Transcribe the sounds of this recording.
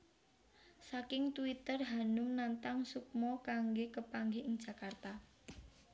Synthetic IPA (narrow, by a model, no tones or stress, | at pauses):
sakɪŋt̪uit̪ərɦanʊmnant̪aŋsuk̚mɔkaŋɡekəpaŋɡeɪŋd̥ʒ̥ä̤kart̪a